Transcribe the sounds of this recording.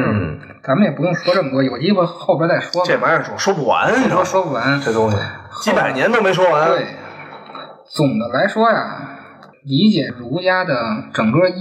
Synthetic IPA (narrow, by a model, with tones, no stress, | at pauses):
t͡sa˧˥mə˧njɛ˨˩pu˧˥jʊ˥˩ŋpwɔ˥ʈ͡ʂɤ˥˩ŋkwɔ˥˩jo˨˩ʊt͡ɕi˥xwe˥˧ɪxo˥˩ʊpjɛ˧˥t͡sa˥˩ɪʂwwɔ˥ʈ͡ʂɛ˨˩a˧˥ə˞˨˧˥ʈ͡ʂʊ˨˩ʂwɔ˥pu˥˩wa̰˧˥n˥˩ʂwɔ˥˩ʂwɔ˥pu˥˩wa˧˥nʈ͡ʂe˥˩t̪ʊ˥ŋɕi˧˩xt͡ɕi˥pa˨˩ɪnjɛ˧˥nt̪o˥me˧˥ɪʂ̬wɔ˥wa˧˥nwe˥˩ɪ | t͡sʊ˨˩ŋd̪ə˦la˧˥ɪʂwɔ˥ja̰˨˩ | li˧˥t͡ɕjɛ˨˩ɻu˧˥ja˥d̪ə˨ʈ͡ʂɤ˨˩ŋkɤ˥